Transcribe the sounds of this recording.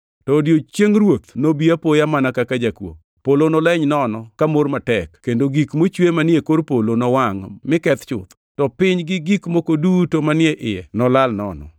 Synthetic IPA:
tɔdjot͡ʃjeŋɾwot̪nobiapojamanakakad͡ʒakwo̰ | polonɔlɛɲnɔnɔkamormatɛkkːendoɡikmot͡ʃwemanɪekoɾpolonɔwaŋmɪkɛt̪t͡ʃʊ̰t̪ | tɔpɪɲɡɪɡikmokodutomanɪɛʔɪjɛnɔlalnɔ̰nɔ̰

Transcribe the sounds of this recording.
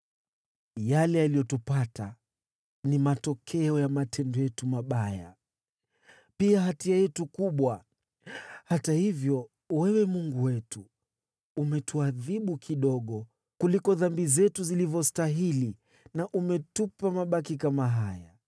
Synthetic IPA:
jalɛalijɔtupata | nimatɔkʰɛɔjamatʰɛndɔjɛtumaɓaja̰ | piaɦatiajɛtukuɓwa | hatahivjɔ | wɛwɛmuŋɡuwɛtuː | mɛtuaðiɓukʰiɗɔɠɔ | kulikɔðambizɛtuzilivɔstaɦili | naʔumɛtupamaɓakikamaɦaja

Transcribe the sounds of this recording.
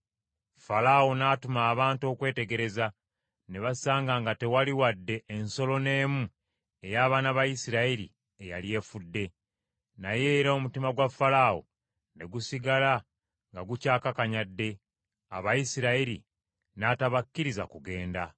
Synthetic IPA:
falawo̞naːtumaːβaːnto̞ːkwe̞ːte̞ɡe̞ɾe̞za | ne̞βasaːŋɡaːŋɡate̞waliwadːe̞ʔːnso̞lo̞ne̞ːmu | e̞jaːβanaβajisiɾaiɾḭ | eja̰lje̞ːfudːe̞ | naje̞ːɾomutimaɡwafːalaːwo̰ | ne̞ɡusiɡala | ŋɡaɡucaːkakaɲadːe̞ | a̰βajisiɾaiɾḭ | naːtaβakːiɾiza̰kuɡe̞ːnda

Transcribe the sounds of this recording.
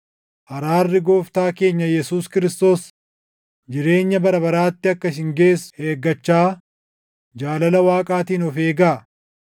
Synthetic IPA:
ʔɐɾaːrːɪɡo̞ːft̪aːke̞ːɲːɐjɛsuːskɪɾɪst̪o̞ːs | d͡ʒɪɾe̞ːɲːɐbɐɾɐbɐɾaːt̪ːɪɐkːɐsɪŋɡeːshe̞ːɡːɐt͡ʃːaː | d͡ʒaːlɐlɐwaːkʼaːt̪iːnɔfe̞ːɡaː

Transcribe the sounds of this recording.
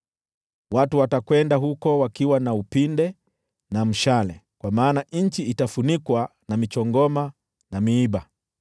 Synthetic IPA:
watuwatakwɛndaɦukɔwakiwanaupindɛ | nam̩ʃalɛ̰kwamaːnaɲ̩t͡ʃiːtafunikwanamit͡ʃɔŋɡɔma | namiiɓa

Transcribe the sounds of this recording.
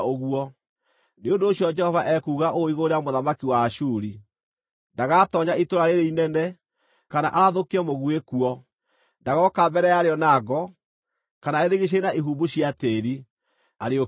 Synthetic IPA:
oɣuɔ | neondoːɕjɔd͡ʒɛhɔvaʔɛkuɣaʔoiɣoɾeamoðamakiwaʃuɾi | ndaɣatɔɲaitoɾaɾeɾeinɛnɛ | kana̰ʔaɾaðokiɛmoɣwekuɔ | ndaɣɔkambɛɾɛjaɾeɔnaɡɔ | kanaeɾeɣeɕ̬enaiɦubuɕiateɾi | aɾeo

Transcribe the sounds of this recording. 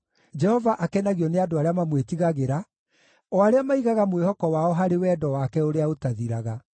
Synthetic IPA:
d͡ʒɛhɔvaʔakɛnaɣiɔneadoaɾeamamwetiɣaɣeɾa | ɔaɾeamaiɣaɣamwehɔkɔwaɔɦaɾewɛːdɔwakɛoɾeaotaðiɾaɣa

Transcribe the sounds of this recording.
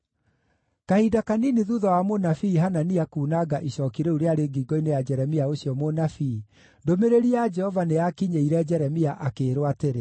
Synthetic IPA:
kahidakaniniðuðɔwamonafiːɦananiakuːnaɡaʔiɕɔkiɾeuɾeaɾeɡiɡɔinejad͡ʒɛɾɛmiaoɕiɔmonafi | ndomeɾeɾiad͡ʒɛhɔvaneakiɲeiɾɛd͡ʒɛɾɛmiaʔakeːɾowateɾe

